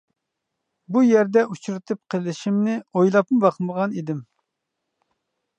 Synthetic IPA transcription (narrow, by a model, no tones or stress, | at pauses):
bujɛɾd̪ɛut͡ʃʰuɾɨt̪ʰɨp̚qʰəlˠɪʃimnɪojlˠɑpmɨbɑqməʁɑnid̪ɪm